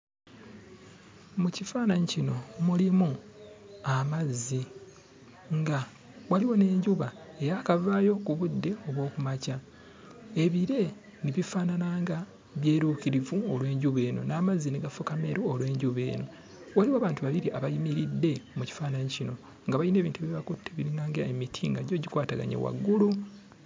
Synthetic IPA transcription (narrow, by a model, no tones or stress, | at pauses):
mucifaːnaɲicino̞mulimu | amazːi | ŋɡa | waliwo̞ne̞ːɲɟuβa | e̞jakavaːjo̞kuβudːe̞o̞βwo̞ːkumaca | e̞βiɾe̞ | niβifaːnanaːŋɡa | βje̞ːɾuːkiɾivuolwe̞ːɲɟuβe̞ːno̞̰naːmazːiniɡafukame̞ɾoolwe̞ːɲɟuβe̞̰ːno̞ | waliwaːβaːntuβaβiɾiʔaβajimiɾidːe̞muci̥faːnaɲcino̞ | ŋɡaβaine̞ːβiːntuβiβakutʰːeβiɾiŋɡaːŋɡaemitʰiŋɡaɟo̞ɟikwaːtaɡa̰ɲḛwa̰ɡːulu